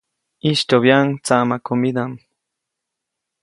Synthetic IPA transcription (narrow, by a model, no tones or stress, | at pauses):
iʃt̪oβjaŋt͡samakomid̪am